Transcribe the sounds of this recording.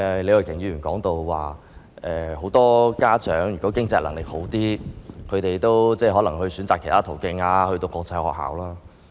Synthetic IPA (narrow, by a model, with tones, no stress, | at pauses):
ɛ˨le˨˧jwə˨˩kʰɪ˨˩ŋjyː˧˩ɥyː˨˩nkɔ̰ː˨˥ŋt̪o˧wwa̰ː˨ | ʔɛː˨ho˨˧˥wt̪ɔː˥kaː˥t͡ʃœː˨˥ŋjy˨˩kɔː˨˥kɪ˥ŋt͡sɛː˧lɐ˨˩ŋlɪ˨k̚ho˨˥wt̪iː˥kʰɵ˨˧ɥt̪e˨jt̪o˥wt͡sɛː˥˧ɦɔː˨˥lɐ˨˩ŋɦɵ˧ɥsyː˨˥nt͡saː˨kʰːe˨˩t̪ʰaː˥t̪ʰo˨˩wkɪ˧ŋaː˧hɵ˧ɥt̪o˧wkʷɔː˧k̚t͡sʰa˧hɔ̰ː˨k̚ha̰ː˨˥wlaː˥